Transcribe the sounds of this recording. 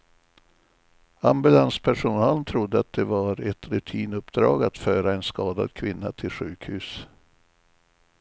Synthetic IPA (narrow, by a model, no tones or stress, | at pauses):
ambɵlanspʰæʂʊnɑːlnt̪ʰɾʊd̪ːəat̪̚d̪ɛvaɾɛt̪ɾɵt̪ʰiːnɵpd̪ɾɑ̰ːɡat̪fœːɾaɛnskɑːd̪a̰d̪kʰvɪnːa̰t̪ʰɪlɧʉ̟ːkhʉːs